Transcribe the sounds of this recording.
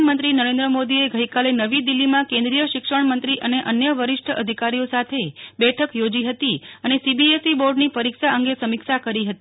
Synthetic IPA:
nmənt̪ɾinəɾẽnd̪ɾəmod̪ieɡəikalenəʋid̪ilːimãkẽnd̪ɾijəʃɪkʂəɳ̃mənt̪ɾiʔəneʔənjəʋəɾɪʃʈʰəəd̪ʱikaɾijosat̪ʰebɛʈʰəkjod͡ʒiɦət̪iənesibiesiboɾɖnipəɾikʃaəŋɡesəmikʃakəɾiɦət̪i

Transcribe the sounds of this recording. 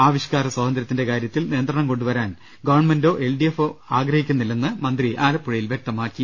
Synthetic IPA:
aːʋiɕɐkaːɾɐswɐːd̪ɐnd̪ɾɐt̪ːindekaːɾjɐt̪ːilniːnd̪rɐɳɐmko̞ɳɖuʋɐɾaːn | ɡɐʋɐɳmendo̞ːʔe̞lɖijefoaːɡrɐhikʲːunːilːenːɨmɐnd̪riʔaːlɐpːuɻɐjilʋjek̚t̪ɐmaːkːi

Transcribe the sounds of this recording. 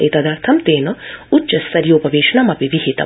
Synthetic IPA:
ḭt̪ɐd̪ɐːɾt̪ʰɐmt̪eːnɐut͡ʃɐsːɐɾjoːpɐʋeːʃɐɳɐmɐpiʋiɦit̪ɐ̰

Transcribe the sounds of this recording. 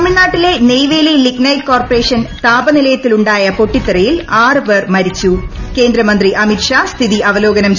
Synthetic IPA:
ɐmiɳnaːʈːile̞nejʋejleliknɐjkːoːrpɐre̞ːʂɐnt̪aːbɐnilɐjɐt̪ːiluɳɖaːjɐpo̞ʈːit̪ːɐɾɐjilaːrɨʋɐrmɐɾit͡ɕːuke̞ːnd̪ɾɐmɐnd̪riʔɐmitʂaːst̪ʰiðiʔɐʋɐlo̞ːɡɐnɐmt͡ɕ

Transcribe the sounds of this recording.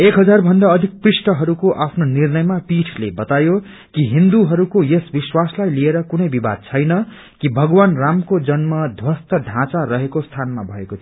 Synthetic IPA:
ekɦʌd͡zarbʱʌnd̪aʌd̪ʱik̚prisʈʌɦʌɾukoʔapʰnonirnʌjmapiʈʰlebʌt̪ajo | kiɦind̪uɦʌɾukojesbiswaslajlieɾʌkunʌjbiba̰d̪̚t͡sʰʌjnʌ | kibʱʌɡwanramkod͡zʌnmʌd̪ʱwʌst̪ʌɖʱãt͡saɾʌɦekost̪ʰanmabʱʌekot̪ʰi

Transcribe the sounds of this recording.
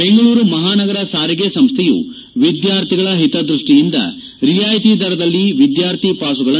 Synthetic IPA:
e̞ŋɡɐɭuːɾumɐɦaːnɐɡɐɾɐsaːɾiɡesɐmst̪ʰɛjṵ | ʋid̪jaːɾt̪ʰiɡɐɭɐɦit̪ɐd̪ɾuʂʈijind̪ɐ̰ | ɾijaːjt̪id̪ɐɾɐd̪ɐlːiʋid̪jaːɾt̪ʰipaːsuɡɐɭɐ

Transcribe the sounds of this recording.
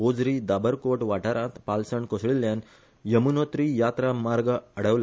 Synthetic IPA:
od͡zɾiːd̪abəɾkoʈʋaʈaɾãt̪palsəɳkosɭiljan | jəmunot̪ɾijat̪ɾamaɾɡəɽəʋl

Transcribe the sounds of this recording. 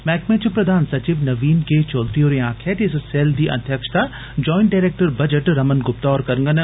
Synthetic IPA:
mɛːkmẽːt͡ʃəpɾɐd̪ʱaːnsɐt͡ɕiʋnɐʋiːnket͡ɕɔːld̪ɾioːɾẽãːkʰet̪iɪsseːld̪iːʔɐ̰nd̪ʱjɐkʃt̪a | d͡ʑɔːɪ̃ɳʈ̚ɖaːɾeːk̚ʈəɾbɐd͡ʑəʈɾɐmənɡʊp̚t̪ɔːɾkɐɾəŋɡən

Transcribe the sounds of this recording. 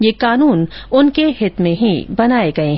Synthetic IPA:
jeːkaːnuːnʊnkeɦɪt̪mẽɦibɐnaːeɡɐeɦ

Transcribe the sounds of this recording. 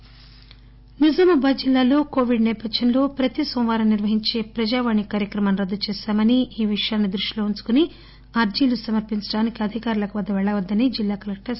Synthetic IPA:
nid͡ʒɐmubɐd͡ʒilːaːlo̞ːko̞ːʋiɖnɛːpɐd̪ʃɐnlo̞ːpɾɐt̪isomʋaːɾɐniɾʋɐɦiɲt͡ʃe̞ːpɾɐd͡ʒaːʋaːɳikaːɾjɐkɾɐmɐnɾɐd̪ːut͡ʃɛːʃaːmɐniiːʋiʂɐjaːnːid̪ɾuʂilo̞ːuɲt͡ʃu̥kuni | ɐɾd͡ʒiːlusɐmɐɾpiɲt͡ʃɐɽaːnikiɐd̪ʱikaːɾulɐkuʋɐd̪ʱːɐʋɛɭːɐʋɐd̪ːɐnid͡ʒilːaːkɐlɐk̚ʈɐɾs

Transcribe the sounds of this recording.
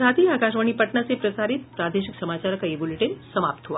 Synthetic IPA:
at̪iakaʃʋəɳipəʈɳasepɾəsaɾit̪̚pɾad̪eʃiksəmat͡ɕaɾəkaeboleʈinsəmap̚t̪ʰɦoʋa

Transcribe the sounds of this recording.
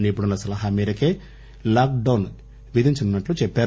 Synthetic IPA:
nipuɽɐnlːɐsɐlɐɦɐmiːɾɐkeː | laːk̚ɖɐwn | ʋid̪ʱiɲt͡ʃununːɐʈlut͡ʃɛpːaːɾ

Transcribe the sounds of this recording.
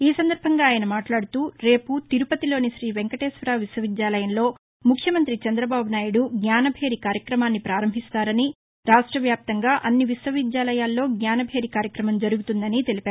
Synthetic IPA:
iːsɐnd̪ɐɾbʱɐŋɡaːjɐnɐmaːʈlaːɽut̪uːɾe̞ːput̪iɾupɐt̪ilo̞ːniʃɾiːʋeŋkɐʈeːsʋɐɾaːʋiswɐʋid̪jaːlɐjɐnlo̞ː | mukʰjɐmɐnt̪ɾit͡ʃɐnd̪ɾɐbaːbunaːjuɽuɡɲʲaːnɐbʱe̞ːɾikaːɾjɐkɾɐmaːnːipɾaːɾɐmbʱist̪aːɾɐni | ɾaːʂʈɾɐʋjaːp̚t̪ɐŋɡaːʔɐnːiʋiswɐʋid̪jaːlɐjaːlːo̞ːɡɲaːnɐbʱe̞ːɾikaːɾjɐkɾɐmɐmd͡ʒɐɾuɡut̪und̪ɐnit̪e̞lipaːɾ

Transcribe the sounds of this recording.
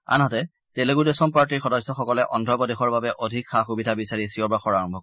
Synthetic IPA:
a̰nɦɔtɛ | teleɡudesɔmpaɹtiɹxɔdɔsɔxɔkɔlɛʔɔndʱɔbɔdexɔɹbabɛʔodʱikxaxubidʱabisaɹisiɔbaxɔɹaɹɔmbʱɔk

